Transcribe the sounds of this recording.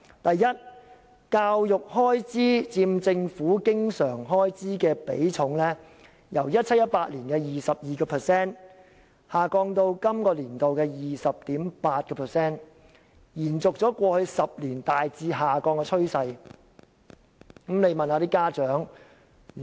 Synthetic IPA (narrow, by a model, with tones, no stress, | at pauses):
t̪ɐ˨jːɐ˥t̚ | kaː˧wjʊ˨k̚hɔː˥jt͡siː˥t͡siː˧mt͡sɪ˧ŋfuː˨˥kɪ˥ŋsœː˨˩ŋɦɔː˥jt͡siː˥kɛː˧pḛ˨˥jt͡ʃʰʊ˨˥ŋlɛː˥ | jɐ˨˩wjɐ˥t̚t͡sʰɐ˥t̚jɐ˥t̚paː˧t̚liː˨˩nkɛː˧jiː˨˩sɐ˨p̚jiː˨kɔː˧pʰɛː˨˩sɛː˥n | haː˨˩kɔː˧ŋt̪o˧wkɐ˥mkɔː˧liː˨˩nt̪o˨wkɛː˧jiː˨sɐ˨p̚t̪iː˨˥mpaː˧t̚kɔː˧pʰɛː˨˩sɛː˥n | jiː˨˩nt͡sʊ˨k̚t͡sɔː˨˥kʷɔː˧hɵ˧ɥsɐ˨p̚liː˨˩nt̪aː˨jt͡siː˧ɦaː˨kɔː˧ŋkɛ˧t͡ʃʰɵ˥ɥsɐ˧j | kmle˨˧jmɐ˨naː˧t̪iː˥kaː˥t͡ʃœː˨˥ŋ